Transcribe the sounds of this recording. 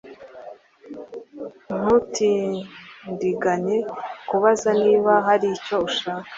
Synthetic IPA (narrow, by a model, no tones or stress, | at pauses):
n̥utʰindiɡaɲekuβazaniːβaɦaɾico̞uʃaːkḁ